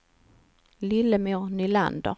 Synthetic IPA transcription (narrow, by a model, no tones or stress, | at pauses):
lɪləmuːnɪla̰nd̪ə̰